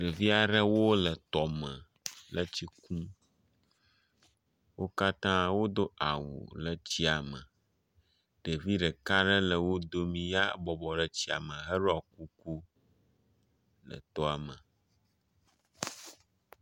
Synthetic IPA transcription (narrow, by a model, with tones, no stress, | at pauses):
ɖe˨vi˦a˨ɖə˦wo˦lə˨t̪ɔ˨mə̃˨ | lə˦t͡ɕi˦kũ˦ | wʔo˦ka˦t̪ã˦wo˦d̪o˦ʔa˨wṵ˨lə˨t͡ɕi˦a˨mə˨ | ɖ̥e˨vi˦ɖə˨ka˦ɖə˦lə˨wo˦d̪o˦mĩ˨ja˦bɔ˨bɔ˨ɖə˦t͡ɕi˦a̰˨mə̃˨ɦə˦ɖo˦a˨ku˦ku˦ | lə̰˨t̪ɔ˦a˨mə˨